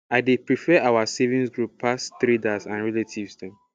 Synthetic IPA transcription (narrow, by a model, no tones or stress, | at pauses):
aɪdepɹifɛʔawasevĩnsɡɹupʰːastɾedasãnɹɛletʰivsdɛ̃m